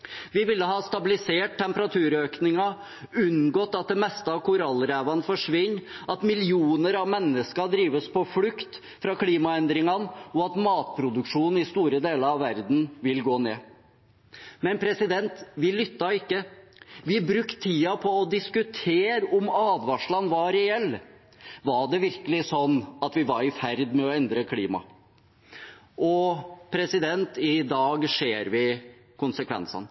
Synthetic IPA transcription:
ʋɪʋɪlːəɦɑst̪ɑbɪlɪseːʈ̚t̪ːɛmpəɾɑt̪ʰʉːɾøːknɪŋɑ | ʉnɡɔːt̪ːɑt̪̚d̪ɛmɛst̪əɑkʊɾɑlːɾæːʋɑnfɔʂʋɪɲːɑt̪mɪlɪuːnəɾɑʋmɛnːəskɑɖ̪ɾiːʋəspʰɔflʉkt̪ | fɾɑkʰliːmɑɛnd̪ɾɪŋɑnɔɑt̪mɑːt̪̚pʰɾʊd̪ʉkʂuːnn̩ɪst̪uːɾəd̪eːləɾɑʋʋæɾd̪n̩ʋɪlɡoːnḛː | mɛnpʰɾɛsɪd̪ɛnt̪ʋɪlʏt̪ːɑɪkːəʋɪbɾʉkt̪ʰːiːɑpʰɔɔd̪ɪskʉt̪ʰeːɾɔmɑːd̪ʋɑʂɭɑnʋɑɾɛɛlː | ʋɑɖɛʋɪɾkəlɪsɔnːɑt̪ʋɪʋɑɾɪfæɾd̪mɛɔɛnd̪ɾəkʰliːmɑ̰ | ʔɔpʰɾɛsɪd̪ɛnt̪ɪd̪ɑːɡʂeːɾʋɪ | kʊnsəkʰʋɛ̰nsɑ̰n

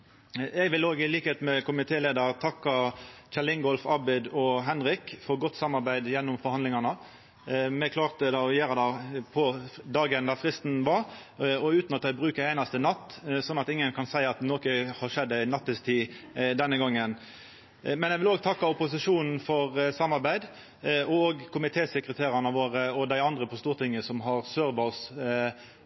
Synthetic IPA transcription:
ɛɡʋɪloːɡɪliːkəheːt̪mɛkʊmɪt̪ʰeːleːd̪əʁt̪ʰɑkːɑt͡ʃɛlɪŋɡɔlfɑbɪd̪ɔɦɛnɾɪkfɔɾɡɔt̪ːsɑmːɑɾbæɪd̪jɛnːʊmfɔɾhɑnd̪lɪŋɑnə | mɛkʰlɑːʁt̪əd̪ɑɔjeːɾəd̪æpʰɔd̪ɑːɡənd̪æfʁɪst̪n̩ʋɑɾɔʉːt̪nɑt̪d̪æɪbʁʉːkəɾæɪnɑst̪ənɑt̪ːsɔnːɑt̪ɪŋːənkʰɑnsæɪɑt̪noːkəhɑʂɛd̪ːɛɪnɑt̪ːəst̪ʰiːd̪ɛnːəɡɑŋːən | mɛnɛɪʋɪloːɡt̪ʰɑkːɑʊpʊsɪʂuːnn̩fɔʁsɑmːɑɾbæɪd̪ | ɔɔoɡkʰʊmɪt̪ʰeːsɛkɾət̪ʰeːɾɑnəʋoːɾəɔd̪æɪɑnd̪ʁəpʰɔst̪uːɾt̪ʰɪŋːəsɔmɦɑʁsøːɾbɑs

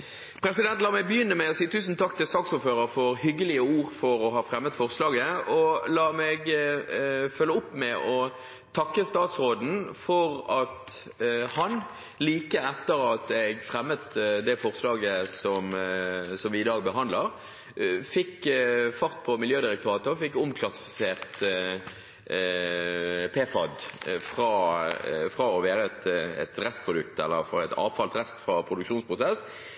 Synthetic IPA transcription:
pʰɾɛsɪd̪ɛnt̪lɑːʁmɛbəjʏnːəmæɪɔsiːət̪ʰʉːsnt̪ʰɑkt̪ɪlsɑːksuːɾføːɾəɾfɔʁhʏɡəlɪəuːʁfɔɾɔɦɑːfʁɛmːət̪fɔʁslɑːɡəɔlɑːmɛɡ | fœlːəʊpːmɛʔɔ | t̪ʰɑkːəst̪ɑːt̪sʁoːd̪n̩fɔʁɑt̪ | hɑn | liːkəɛt̪ːəɾɑt̪ɛɡfʁɛmːət̪d̪ɛfɔʁslɑːɡəsɔmsɔmʋɪɪːd̪ɑːɡbəɦɑnd̪ləʁ | fɪkːfɑʁt̪pʰɔmɪljøːd̪ɪɾɛk̚t̪ʰɑːt̪əɔfɪkːʊmkʰlɑsɪ̥fɪ̥seːʁt̪ | pʰeːfɑd̪fɾɑːfʁɑːɔʋeːɾəɛt̪ɛ̰t̪ɾɛst̪̚pʰʁʊd̪ʉkt̪ɛ̰lːəɾfɑɛt̪ɑ̰ːʋfɑlt̪ʁɛst̪fʁɑpʰɾʊd̪ʉkʃuːnspʰʁʊsɛs

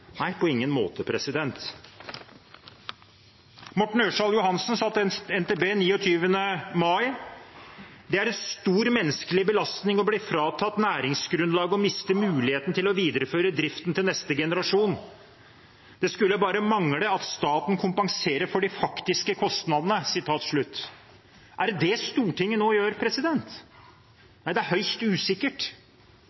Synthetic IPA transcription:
næɪpʰɔɪŋːənmo̰ːt̪əpʰɾɛsɪd̪ɛnt̪ | mɔʈːɳ̩øːʂɑljʊhɑnsnsɑt̪ːɛnt̪eːbeːniːɔt̪ʰyːʋənəmɑɪ | d̪ɛæɾɛnst̪uːɾmɛnːəskəlɪbəlɑst̪nɪŋɔbliːfɾɑːt̪ʰɑt̪ːnæːɾɪŋsɡɾʉnlɑːɡəɔmɪst̪əmʉːlɪheːt̪nt̪ɪlɔʋiːd̪əɾəføːɾəd̪ɾɪft̪nt̪ɪlnɛst̪əɡɛnəɾɑʂuːn | d̪̥ɛskʉlːəbɑːɾəmɑŋləɑt̪st̪ɑːt̪n̩kʰʊmpɑŋseːɾəɾfɔɖɪfɑkt̪ɪskəkʰɔst̪nɑd̪ənəsɪt̪ʰɑːt̪ʂɭʉt̪ː | ʔæɾd̪ɛst̪uːʈɪŋːənoːjøːɾpʰɾɛsɪd̪ɛnt̪ | næɪd̪ɛæɾhœʏst̪ʉːsɪkːəʈ

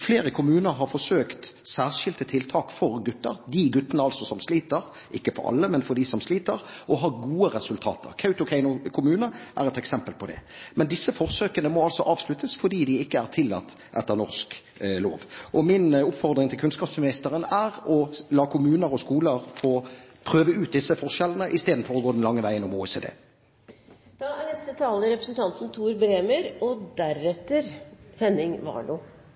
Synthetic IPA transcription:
fleːɾəkʰʊmʉːnəɾɦɑɾfɔsøːkt̪sæːʁʂɪlt̪ət̪ʰɪlt̪ʰɑːkfɔɾɡʉt̪ːəɾd̪iɡʉt̪ːənəɑlsɔsɔmsliːt̪əɾ | ʔɪkːəfɔ̰ɾɑ̰lːəmɛnfɔɾd̪isɔmsliːt̪əɾʔɔɦɑɡuːəɾɛsʉlt̪ʰɑ̰ːt̪ʰə̰ɾkʰɑʉt̪ʊkʰɛɪnʊkʰʊmʉːnəʔæ̰ɾɛt̪ɛksɛmpəlpʰɔd̪ɛ̰mɛnd̪ɪsːəfɔɾsøːkənəmɔɑlsɔʔɑːʋslʉt̪ʰːəsfɔɾdɖiːd̪ɪɪkːəæɾt̪ʰɪlːɑ̰t̪ː | ʔɛt̪ːəʁnɔʁsk | lo̰ːʋʔɔmɪnʊpfɔʁd̪ʁɪŋt̪ʰɪlkʰʉnskɑːpsmɪnɪst̪əʁənæʁɔlɑːkʰʊmʉːnəʁɔskuːləʁfoːpʰʁøːʋəʉːt̪̚d̪ɪsːəfɔʁʂɛlənəʔɪst̪eːd̪n̩fɔʁɔɡoːd̪ɛnlɑŋːəʋæɪənɔmoːɛseːd̪ḛː | d̪̥ɑænɛst̪ət̪ʰɑːləɾɛpɾəsn̩t̪ʰɑnt̪n̩t̪ʰuːɾbɾeːməɾɔd̪æɾɛt̪ːəɾhɛnɪŋʋɑ̰ːɳuː

